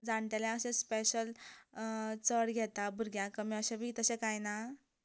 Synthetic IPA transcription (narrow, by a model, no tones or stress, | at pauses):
d͡zaɳt̪jaljaəsẽspeɕəl | t͡səɽɡʱɛt̪abʱuɾɡjãkəmiəɕẽbʱit̪əsẽkajna